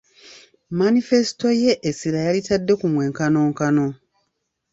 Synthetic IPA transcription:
manife̞si̥to̞je̞ʔːsiɾajalitadːe̞kumwe̞ːŋkano̞ːŋkano̞

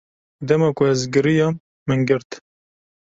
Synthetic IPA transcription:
d̪ɛmɑkʊɛzɡɨɾijɑm | mɨnɡɨɾt̪

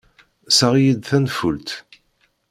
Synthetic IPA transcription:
saʁjid̪θænfult̪

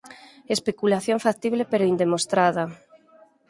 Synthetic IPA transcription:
espekulaθjoɱfak̚t̪iβlepeɾoind̪emost̪ɾaða

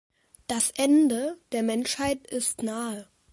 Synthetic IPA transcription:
d̥asʔɛndəd̥eːɐmɛnʃhaɪtɪstnaːə

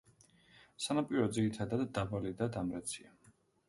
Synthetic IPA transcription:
sanapʼiɾɔd̪ziɾit̪ʰad̪ad̪ːabalid̪ad̪amɾɛt̪sʰia

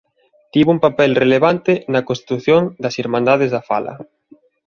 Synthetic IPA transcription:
t̪iβumpapɛlreleβant̪ɪnɐkonst̪i̥t̪uθjoŋd̪ɐsiɾmãnd̪aðezðɐfa̰lɐ̰

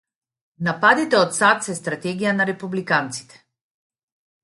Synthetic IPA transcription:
napad̪it̪ɛɔt̪sat̪sɛst̪ɾat̪ɛɡijanaɾɛpublikant̪si̥t̪ɛ̥

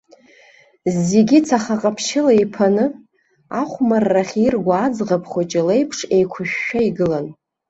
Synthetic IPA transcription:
zːeɡʲɪt͡sʰaχaqʼapʰʃɪlaipʰanɨ | aχʷmarːaχʲirɡʷaːd͡zʁapʰχʷot͡ʃʼɪlejpʰʂe̞jkʷʰʊʃᶣːaiɡɨlan

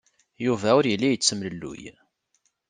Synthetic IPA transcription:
juvæʊɾjəlːijət͡sːəmləlːṵj

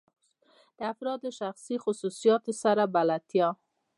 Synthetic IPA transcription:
d̪̥əafɾɑd̪əʃaxsixʊsusijɑt̪saɾabalat̪jɑ

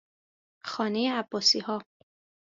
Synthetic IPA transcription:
xɒːne̞jeæbːɒːsiːhɒː

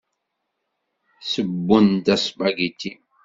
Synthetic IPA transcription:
səbːʊnt̪æsɓaɡit̪ːi

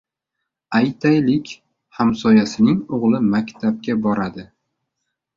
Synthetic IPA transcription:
ajt̪ʰajlɪkʲ | hamsɒjasɪnɪŋoʁlˠɪmakʲt̪ʰab̚ɡʲabɒɾad̪ɪ

